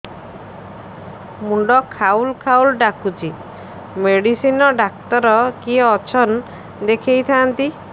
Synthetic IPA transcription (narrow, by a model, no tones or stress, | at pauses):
muɳɖɔkʰaulkʰaulɖakut͡ʃi | meɽisinɔɖakt̪ɔɾɔkiɔt͡ʃʰɔn | d̪ekʰejt̪ʰaːnt̪i